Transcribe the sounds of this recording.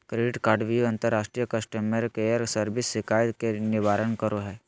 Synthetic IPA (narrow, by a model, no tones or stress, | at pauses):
kɾeɖɪʈkaːɾɖʋiɐ̃nt̪əɾːaːʃʈɾijəkɐsʈəmeɾkeəɾsəɾbɪsːɪkaːjkenɪʋaːɾənkəɾoɦɛː